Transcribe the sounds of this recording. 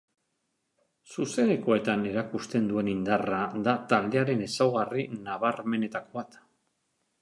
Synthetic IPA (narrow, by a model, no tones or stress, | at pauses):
suse̞neko̞e̞t̪ane̞ɾakust̪e̞nd̪ue̞nind̪araðat̪ald̪e̞aɾe̞ne̞sawɣarinaβ̞arme̞ne̞t̪ako̞βat̪